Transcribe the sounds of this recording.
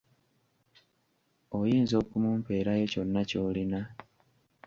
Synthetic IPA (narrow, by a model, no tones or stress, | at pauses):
ojiːnzo̞ːkumuːmpe̞ːɾajoco̞nːaco̞ːlina